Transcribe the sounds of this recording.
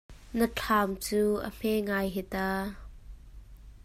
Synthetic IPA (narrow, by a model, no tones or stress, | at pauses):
nət͡ɬʰaːmt͡suːʔə̰m̥ɛŋajɦɛt̪aː